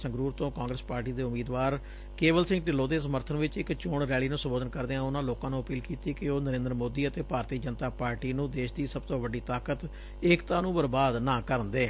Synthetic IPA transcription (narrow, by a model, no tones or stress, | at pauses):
sə̃ŋɡɾuːɾt̪õːkãːŋɡɾəspaːɾʈiːd̪eːʊmiːd̪ʋaːɾ | keːbəlsɪ̃ŋɡʈɪloːd̪eːsəməɾt̪ʰənʋɪt͡ʃɪkt͡ʃʊːɳɾɛːliːnũːsəmboːd̪ənkəɾd̪eːãːʊnãːloːkãːnũːəpiːlkiːt̪iːkɪoːnəɾẽːnd̪ɾmoːd̪iːət̪eːpaːɾt̪iːd͡ʒənt̪aːpaːɾʈiːnũːd̪eːʃd̪iːsəb̚t̪õːʋəɖiːt̪aːkət̪ | ɪːkt̪ãːnũːbəɾbaːd̪nãːkəɾənd̪eː